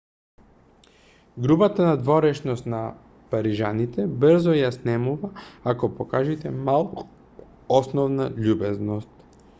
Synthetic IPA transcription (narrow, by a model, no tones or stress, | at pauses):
ɡɾubat̪anad̪vɔɾɛʃnɔst̪na | paɾiʒanit̪ɛbrɾzɔjasnɛmuvaakɔpɔkaʒit̪ɛmalˠk | ɔsnɔvnaʎubɛznɔst̪